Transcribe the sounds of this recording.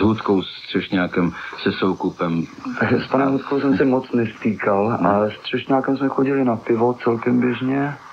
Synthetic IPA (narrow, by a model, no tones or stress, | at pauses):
zɦut̪kowst̪r̥ɛʃɲaːkɛmsɛsowkupɛmt̪akspanɛmɦut̪̚kows̬ɛmsɛmot͡snɛst̪iːkalʔast̪r̝̥ɛʃɲaːkɛmsmɛxoɟɪlɪnapɪvot͡sɛlkɛmbjɛʒɲɛ